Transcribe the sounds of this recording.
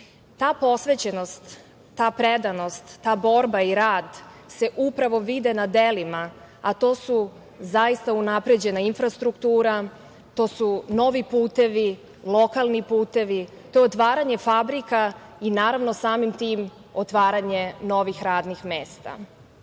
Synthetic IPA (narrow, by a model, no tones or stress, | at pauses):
t̪aːpo̞sʋet͡ɕeno̞st̪ː | aːpɾed̪ano̞st̪ːaːbo̞ɾbaiɾaːd̪ | se̞ʔupɾaʋo̞ʋid̪e̞nad̪elima | at̪o̞ːsu | zaist̪aunapɾe̞d͡ʑe̞nainfɾast̪ɾukt̪uːɾa | t̪o̞ːsuno̞ʋipuːt̪e̞ʋi | lˠo̞kalˠnipuːt̪e̞ʋi | t̪o̞jeot̪ʋaːɾaɲe̞fabɾikainaːɾaʋno̞saːmimt̪iːm | ot̪ʋaːɾaɲe̞no̞ʋixɾaːd̪nixmeːst̪a̰